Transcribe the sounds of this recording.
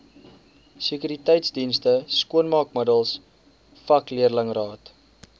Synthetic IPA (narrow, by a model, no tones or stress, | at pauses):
sekyɾitɛjtsdinstəskuənmɑːkmədəlˠs | fɐkliərləŋrɑːt